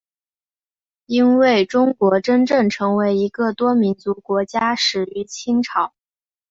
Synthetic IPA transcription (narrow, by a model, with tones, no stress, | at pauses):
i˥nwe˥˩ɪʈ͡ʂʊ˥ŋkwɔ˧˥ʈ͡ʂə˥nʈ͡ʂɤ˥˩ŋʈ͡ʂʰɤ˧˥ŋwe˧˥ɪi˧˥ɡə˥˧t̪wɔ˥mi˧˥nt͡su˧˥kwɔ˧˥t͡ɕja˥ʂɻ̩˨˩y˧˥t͡ɕʰi˥ŋʈ͡ʂʰɑ˨˩˦ʊ